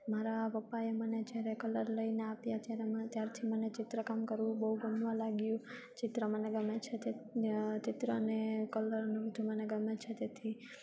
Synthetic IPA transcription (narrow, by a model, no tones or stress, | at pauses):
maɾaʋəpaeməned͡ʒjaɾekələɾləineapjat̪jaɾemt̪jaɾt̪ʰimənet͡ʃɪt̪ɾəkamkəɾʋũbəɦuɡəmʋãlaɡjũ | t͡ʃɪt̪ɾəməneɡəmet͡ʃʰet̪et͡ʃɪt̪ɾəənekələɾənubəd̪ʱuməneɡəmet͡ʃʰet̪et̪ʰi